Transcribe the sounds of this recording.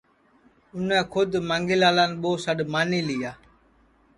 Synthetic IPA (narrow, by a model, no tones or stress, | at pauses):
ʊnɛ̃ːkʰʊd̪mãːŋɡɪlaːlaːnɓoːsəɗmaːniːlɪjaː